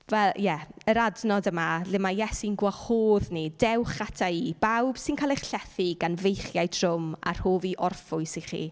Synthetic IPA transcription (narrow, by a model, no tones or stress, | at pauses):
vɛljɛəɾadnɔdəmalɪmajɛsinɡwahoːðnidɛwχatʰaiːb̥awb̥sɪnkʰaːleχɬɛθiɡanvejχjajtʰr̥ʊma̰r̥hoːviʔɔrfʊɨsɪχḭː